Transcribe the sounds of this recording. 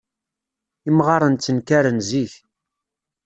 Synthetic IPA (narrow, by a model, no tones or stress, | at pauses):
imʁɑɾˤənt͡sːənkaɾənziç